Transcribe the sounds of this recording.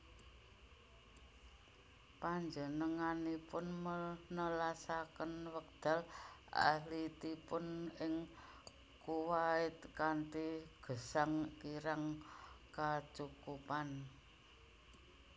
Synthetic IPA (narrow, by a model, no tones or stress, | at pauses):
paɲd͡ʒənəŋanipʊnmənəlasakənwək̚d̪̥a̤lʔa̰hlit̪ipʊnɪŋ | kuwaɪt̪̚kaɳtiɡ̥ə̤saŋkiɾaŋkat͡ʃukupan